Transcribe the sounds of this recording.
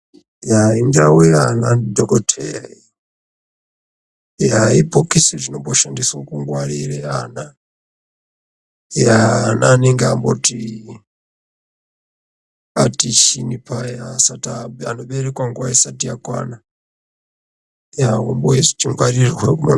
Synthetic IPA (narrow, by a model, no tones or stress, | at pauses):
jaindawiananidɔkɔtʰɛi | jaipɔkisɛt͡ʃinɔpɔʃandisɔkuŋɡwaɾiɾɛana | jaːnaniŋɡaambɔti | atit͡ʃʰinipʰajasataɓɛanɔɓɛɾikwaŋɡwaisatiakwa̰na | jaɔmbɔɛsɔ̥tiŋɡwaɾiɾwɛkuma